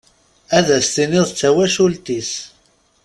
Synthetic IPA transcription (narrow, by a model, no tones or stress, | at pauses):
æðæst̪inɪðˤt͡sːæwæʃult̪is